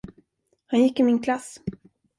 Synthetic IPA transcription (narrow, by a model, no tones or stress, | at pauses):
hanjɪkːɪmɪnkʰlas